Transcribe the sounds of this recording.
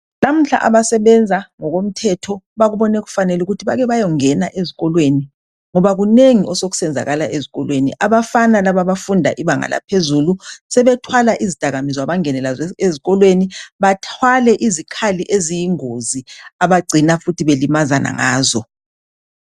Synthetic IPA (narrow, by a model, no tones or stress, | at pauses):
lam̩ɬa̰ʔaβasɛβɛnd͡zʱaŋɔɣom̩tʰɛtʰɔ | βaɣuβɔnɛɣu̥fanɛluɣutʰiβaɣɛβajɔŋɛnaʔeziɣɔlweni | ŋɔβaɣuneŋiʔɔsoɣu̥sɛnd͡zʱa̰ɣalaʔeziɣɔlwenḭʔaβafanalaβaβafundʱa̰ʔiβaŋa̰la̰pʰezulusɛβɛtʰwalaʔizid̥ʱaɣamizaβaŋɛnɛlazɛeziɣɔlweniβatʰwalɛʔizikʰaliʔezijiŋoziaβaɡ͡ǀʱinafutʰiβelimazana̰ŋa̰ːzɔ